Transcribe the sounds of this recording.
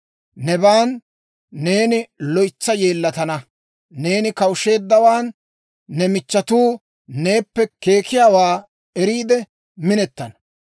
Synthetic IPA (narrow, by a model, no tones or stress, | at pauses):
nɛbaːnː | e̞ːnɪlɔjt͡sːɐje̞ːlːɐt̪ɐnɐ | ne̞ːnɪkɐwʊʃe̞ːd̪ːɐwaːnː | ɛmɪt͡ʃːɐt̪uː | ne̞ːpːɛke̞ːkɪjaːwaː | ɛɾiːd̪ɛ | mɪnɛt̪ːɐnɐ